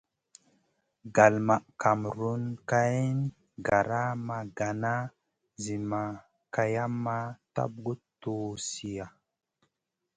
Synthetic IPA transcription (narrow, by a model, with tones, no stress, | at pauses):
ɡa˨lma˨ʔka˨mɾu˦nka˦i˦n | ɡa˨ɾa˦ma˧ɡa˨na˦ | zi˨ma˨ | ka˧ja˦mːa˦ta̰˦b̚ɡu˦tːo˨si˨ja˨